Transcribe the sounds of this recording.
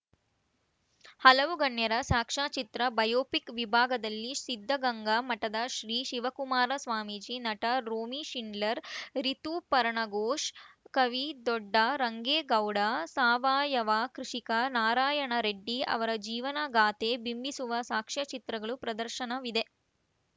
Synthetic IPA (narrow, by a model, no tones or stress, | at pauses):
hɐlɐʋuɡɐɳjɐɾɐsaːkʂaːt͡ʃit̪ɾɐbɐjoːpikʋibʱaːɡɐd̪ɐlːisid̪ʱːɐɡɐŋɡɐmɐʈɐd̪ɐʃɾiːʃiʋɐkumaːɾɐsʋaːmid͡ʒinɐʈɐɾoːmiʃiɳɖlɐɾɾit̪upɐɾɐɳɐɡoːʂkɐʋid̪ɔɖːɐɾɐŋɡeːɡɐwɽɐsaːʋaːjɐʋaːkɾiʂikɐnaːɾaːjɐɳɐɾeɖːiɐ̰ʋɐɾɐd͡ʒiːʋɐnɐɡaːt̪ebimbisuʋɐsaːkʂat͡ʃit̪ɾɐɡɐɭupɾɐd̪ɐɾʃɐnɐʋid̪e